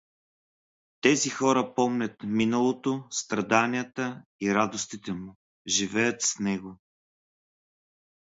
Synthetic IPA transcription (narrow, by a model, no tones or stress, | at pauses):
t̪ɛzixɔɾəpɔmnʲət̪minəlˠot̪ost̪ɾɐd̪anijət̪əiɾad̪ost̪it̪ɛmʊ | ʒivɛjət̪snɛɡo